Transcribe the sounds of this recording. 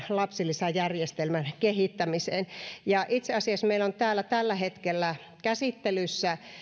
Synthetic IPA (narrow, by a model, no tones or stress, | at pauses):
lɑpsilːˑisæjærjest̪elmænkehit̪ːæmiseːnjɑʔit̪seɑsiɑsmeilont̪æːlːæt̪ælːæhet̪kelːæ | kæsit̪ːelysːæ